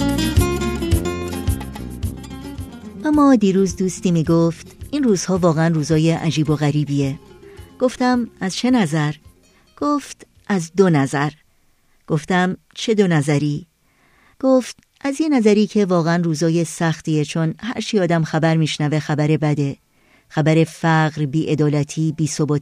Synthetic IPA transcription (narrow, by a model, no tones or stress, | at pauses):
ʔæmːɒːd̪iːɾuːzd̪uːst̪iːmiːɡoːft̪ʔinruːz̥hɒːvɒːɣeænruːzɒːje̞ʔæd͡ʒiːbo̞ɣæɾiːbiːeɡ̥o̞ft̪æmæzt͡ʃʰe̞næzæɾ | ɡ̥oːft̪ | ʔæzd̪onæzæɾ | ɡ̥o̞ft̪æm | t͡ʃʰe̞d̪o̞næzæɾiː | ɡ̥oːft̪̚ | ʔæzjenæzæɾiːcʰe̞vɒːɣeænruːzɒːjesæxt̪iːet͡ʃʰo̞nhæ̰ɾt͡ʃʰiːɒːd̪æmxæbæɾmiːʃnæve̞xæbæɾe̞bæd̪e̞ | xæbæɾe̞fæɣɾbiːʔe̞d̪ɒːlæt̪ʰiːbiːso̞bɒːt̪